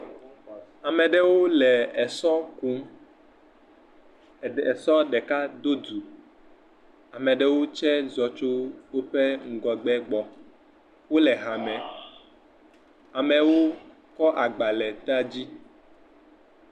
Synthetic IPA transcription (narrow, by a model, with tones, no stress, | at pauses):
a˨mɛ̃˨ɖɛ˦wo˦lɛ˨ɛ˨sɔ˦ku˦˨ | ɛ˨sɔ˦ɖɛ˨ka˦d̪o˦du˨ | a˨mɛ̃˨ɖɛ˦wo˦t͡ʃɛ˦zɔ˨t͡ʃo˦wo˦ɸɛ˦ŋ̩˦ɡɔ˨ɡ͡bɛ˦ɡ͡bɔ˨ | wo˦lɛ˨ɦa˨mɛ̃˨ | a˨mɛ˨wo˦ | kɔ˦ʔa˨ɡ͡ba˨lɛ˨t̪a˦d͡ʑi˦